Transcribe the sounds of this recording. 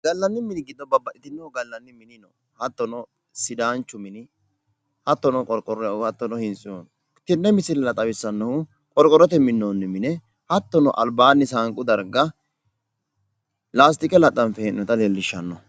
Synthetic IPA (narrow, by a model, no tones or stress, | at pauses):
ɡɐlːɐnːɪmɪnɪɡɪd̪ːɔbɐbɐʔɪt̪ɪnːɛɔɡɐlːɐnːɪmɪnɪnɔ | hɐt̪ːɔnɔ | sɪd̪aːnt͡ʃːʊmɪnɪ | hɐt̪ːɔnɔkʼɔɾkʼɔɾɔjɐwhɐt̪ːɔnɔhɪnt͡sʼːɪɔn | t̪ɪnːɛmɪsɪnɛlɐt̪ʼɐwɪsːɐnːɐhʊ | kʼɔɾkʼːɔɾɔt̪ɛmɪnːonːɪmɪnɛ | hɐt̪ːɔnɔ̰ʔɐ̰lbaːnːɪsaːŋkʼʊd̪ɐɾɡɐ | laːs̬t̪ɪkʼɛlɐt̪ʼːɐnfɛnnɔt̪ɐlelːɪʃːɐnːɔ